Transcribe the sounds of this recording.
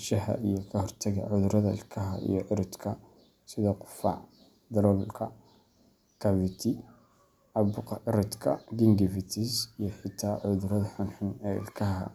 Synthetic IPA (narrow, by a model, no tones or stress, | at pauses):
ʃɐhɐ̰ʔijɔkʰɐhɔrt̪ʰɐɣɐ̰ʕʊðʊɾɐðɐɪ̰lkʰɐɦɐʔḭjɔʔɪɾɔd̪kʰɐ | sɪðɔqʊ̥fɑ̰ʕ | d̪ɐɾɔlkʰɐ | kʰɐvɪt̪ʰɪ | ʔɐbʊqɑʔɪɾɔd̪kʰɐ̰ɡɪŋɡɪfɪt̪ʰɪsijɔħɪt̪ʰaːʕʊðʊɾɐðɐħʊnħʊnɛːɪ̰lkʰɐɦɐ̰